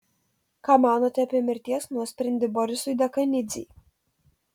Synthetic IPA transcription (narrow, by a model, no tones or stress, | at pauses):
kaːmɑːnoːt̪ʲɛɐpʲiɛmʲɪɾʲt̪ʲiɛsnuɔsʲpʲɾʲɛnʲd̪ʲɪbɔɾʲɪsʊjd̪ʲɐkɐnʲɪd̪zʲḭː